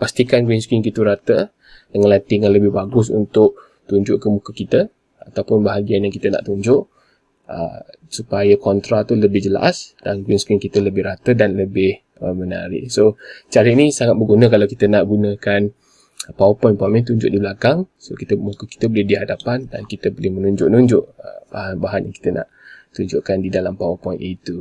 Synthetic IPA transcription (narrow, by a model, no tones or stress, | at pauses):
past̪ikanɡwinskiŋkit̪uɾat̪ə | dəŋãnlant̪iŋanləbɪhbaɡʊsṵnt̪ʊʔ̚ | t̪uɲd͡ʒʊʔkəmukəkit̪ə | at̪awpʊnbaɦaɡianjaŋkit̪əna̰ʔt̪uɲd͡ʒʊʔ | ə̰ | supajakɔnt̪ɾat̪uləbɪhd͡ʒəla̰sd̥anɡwinskɾiŋkit̪ələbɪhɾat̪ədanləbɪh | əməna̰ɾɪ̰ʔsot͡ʃaɾəinĩsaŋat̪̚bəɡunə̃kalawkit̪ənaʔɡunəkan | pawəpɔjnpamĩnt̪uɲd͡ʒʊ̰ʔdibəlakaŋsokit̪əmokəki̥t̪əbolɪhdiɦadapanda̰nkit̪əbolɪhmənuɲd͡ʒʊ̰ʔnuɲd͡ʒʊʔə̰baɦanbaɦanjaŋki̥t̪ənʔa̰ʔt̪uɲd͡ʒʊʔkandidalampawəpɔjnʔit̪u